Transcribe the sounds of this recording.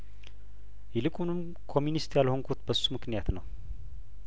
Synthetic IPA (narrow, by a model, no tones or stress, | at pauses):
jɛlɨkʼunɨm | kʰo̞mːjunist̪jalho̞ŋkʰot̪bəsːumɨknijat̪nəw